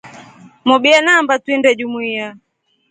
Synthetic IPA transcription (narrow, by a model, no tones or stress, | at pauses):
mɔɓianambatwindɛʄumuia